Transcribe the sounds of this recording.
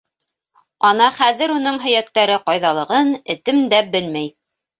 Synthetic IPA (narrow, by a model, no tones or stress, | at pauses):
ɑnɑχæðɘ̆ɾunɤɴɦɵ̆jæk̚t̪æɾɘqɑjðɑlˠɤ̆ʁɤnɘ̆t̪ɘmd̪æbɘlmæj